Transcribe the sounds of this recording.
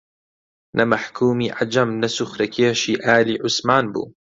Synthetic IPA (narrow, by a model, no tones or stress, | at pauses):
nʔɐmɐħkʰuːmiːʕad͡ʒɐmnɐsʊxɾɐkʰeːʃiːʔaːliːʕʊsmaːnbṵː